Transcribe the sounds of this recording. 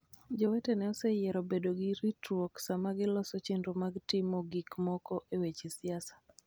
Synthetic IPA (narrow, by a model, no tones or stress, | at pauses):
d͡ʒɔwetɛnɛɔsɛjɛɾɔbedoɡɪɾitwoksamaɡɪlɔsɔt͡ʃendomaɡtɪmoɡikmɔkɔʔewet͡ʃesɪasḁ